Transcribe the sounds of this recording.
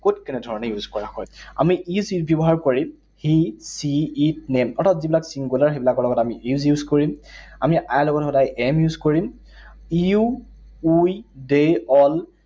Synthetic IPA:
kotkɛnɛdʱɔɹɔnɛjuzkɔɹaxɔja̰miizjbjɔbɔɦaɹkoɹim | hisiːtnemɔtatzibilaksiŋɡulaɹxebilakɔlɔɡɔtamiʔjuzjuzkoɹim | amiʔajlɔɡɔtxɔdajʔɛmjuzkoɹim | iu | ujdeɔl

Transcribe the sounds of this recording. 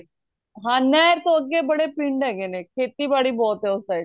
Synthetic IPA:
ɦãːnɛːɾt̪oəɡːeːbəɽepɪ̃ɳɖɛːɡeːnẽːkʰeːt̪ibaːɽiːbɔːt̪ɦɛːʊsaɪ

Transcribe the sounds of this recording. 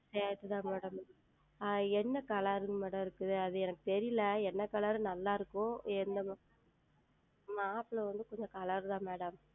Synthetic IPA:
seːɾt̪ːɯt̪ãːmɛːɽɐm | ɛnːɐkɐlaɾɯmɛːɽɐmɪɾɯkːɯðɯɐðɯɛnɐkːɯ̥t̪ɛɾɪjlɐɛnːɐkɐlɐɾɯnɐlːaːɪɾɯkːʊ̃ɛnd̪ɐ | maːpɪlɐʋɐnd̪ɯkɔɲd͡ʒɔ̃kɐlɐɾt̪ãːmeːɽɐm

